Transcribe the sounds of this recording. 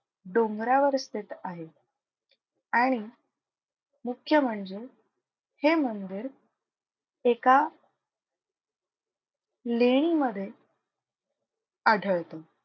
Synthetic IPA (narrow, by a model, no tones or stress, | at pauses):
ɖoŋɡɾaʋəɾst̪it̪aɦe | aɽ̃i | mukʰːjəməɳd͡ze | hem̤ənd̪iɾ | eka | leɽ̃iməd̪ʱːje | əɖʱəɭt̪ə